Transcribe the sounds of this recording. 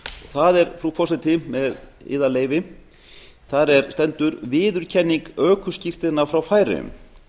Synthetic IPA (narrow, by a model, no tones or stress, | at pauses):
ɔɣθaðɛɾfɾufɔrsɛt̪ɪmɛðɪ̰ːðaleːjvɪ | θaɾɛɾ̥st̪ɛnt̪ʏɾvɪːðʏɾ̥cʰɛnːiŋkœːkʏscɪr̥t̪ɪnafɾawfaːjɾɪ̰ʏ̰m